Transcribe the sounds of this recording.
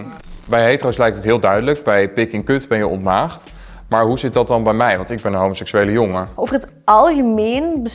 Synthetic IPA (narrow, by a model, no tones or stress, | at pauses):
bɛjɦejtrowslɛjk̚ətətɦɪːlˠdœɥdələkbɛjpɪkɪŋkɵtbɛnjəʔɔ̰ntmaːχt | maːɹɦuzɪt̚dɑt̚dɑnbɛjmɛjʋɑntɪɡ̚bɛnənɦowmosɛksyejləjɔŋəowvərɦət | ɑlˠɣəmeːnbə